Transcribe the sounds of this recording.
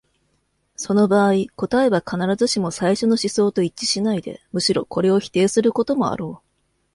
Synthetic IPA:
so̞no̞baːiko̞t̪ae̞bakanaɾazɨɕimo̞saiɕo̞no̞ɕiso̞ːt̪o̞it͡ɕːi̥ɕinaid̪e̞̰mɯ̟ɕiɾo̞̰ko̞ɾe̞o̞çʲi̥t̪e̞ːsɨɾɯ̟ko̞t̪o̞mo̞a̰ɾo̞ː

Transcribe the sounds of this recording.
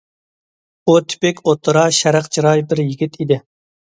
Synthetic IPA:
but̪ʰy̥pɪkʲʰot̪ʰːɨɾɑʃæɾæqt͡ʃʰiɾɑjbɪɾjiɡʲit̪ʰid̪ɪ

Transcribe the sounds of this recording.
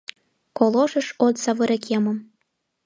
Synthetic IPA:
kolˠoʃə̆ʃot̪sɑβɤɾekjɑmɤm

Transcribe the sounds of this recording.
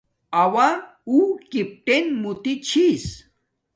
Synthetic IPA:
awa | ukip̚ʈenmut̪it͡ɕʰis

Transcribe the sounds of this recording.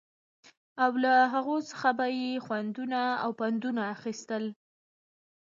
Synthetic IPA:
awlaɦaɣot͡sə̥xabajexwand̪unaa̰wpand̪unaːxist̪əl

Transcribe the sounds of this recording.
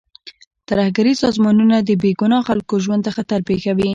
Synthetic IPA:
t̪aɾahɡaɾisɑzmɑnunad̪əbeɡunɑxalkoʒwand̪t̪əxat̪aɾpexawi

